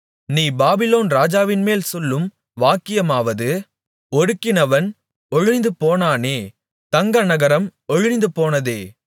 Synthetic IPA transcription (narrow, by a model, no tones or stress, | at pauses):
niːbaːbɪloːnɾaːd͡ʒaːʋɪnmeːlsɔlːɯm | ʋaːkːɪjɐmaːʋɐðɯ | ɔɽɯkːɪnɐʋɐn | ɔɻɪnɪnd̪ɯpoːnaːneː | t̪ɐŋɡɐnɐɣɐɾɐmɔɻɪnɪnd̪ɯpoːnɐðeː